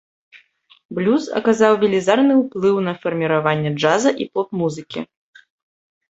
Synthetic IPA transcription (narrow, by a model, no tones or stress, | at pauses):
blʲusɐ̰kazawvʲilʲizarnɨwplˠɨwn̪ɐfɐrmʲiɾavanʲːɛd͡ʐazɐʔipɔp̚muzɨkʲḭ